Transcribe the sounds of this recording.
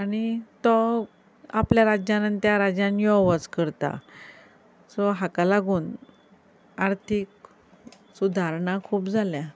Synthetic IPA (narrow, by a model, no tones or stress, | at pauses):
aɽ̃it̪ɔ | apljaɾad͡ʑjanənt̪jaɾad͡ʑjãnjɔʋət͡skəɾt̪a̰ | sɔɦakalaɡuːn | aɾt̪ʰik̚ | sud̪ʱaɾɳakʰuːpd͡zʱalja